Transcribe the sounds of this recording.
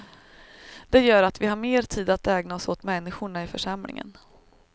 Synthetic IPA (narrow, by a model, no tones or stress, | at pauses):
d̪̥ɛjœːɾat̪vɪɦaɾmeːɾt̪ʰiːd̪at̪ɛːɡnaɔsoːt̪mɛnːɪɧʊɳaɪfœ̰ʂamlɪ̰ŋə̰n